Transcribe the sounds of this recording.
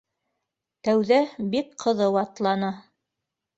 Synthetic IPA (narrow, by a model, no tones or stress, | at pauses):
t̪æwðæbik̚qʰɤ̆ðɤwɑt̪lˠɑnɑ